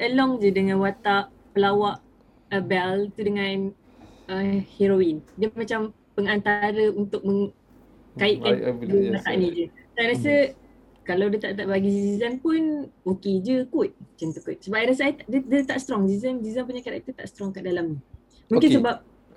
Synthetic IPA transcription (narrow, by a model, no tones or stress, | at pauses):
ʔəlɔŋd͡ʒədəŋãnwat̪aʔ | pəlawaʔ | əbɛlt̪udəŋãn | əheɾoindəmat͡ʃam | pəŋant̪aɾəunt̪ʊk̚mə̃ŋ | kaɪʔ̚kandəwat̪a̰ʔnĩd͡ʒəsajɾasə | kalawdət̪aʔt̪aʔbaɡizizanpunoked͡ʒəkut̪̚t͡ʃant̪ukʊt̪̚səbaʔ̚jɾas̬əʔat̪adədət̪aʔst̪ɾɔŋzizənzizanp̬uɲakadaʔit̪ut̪a̰ʔsət̪ɾɔŋkaʔdalamɲi | mũk̬ɪnsəbap̚